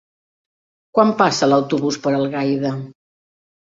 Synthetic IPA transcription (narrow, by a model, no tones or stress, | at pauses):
kwampasələwt̪uβuspəɾəlˠɣajðə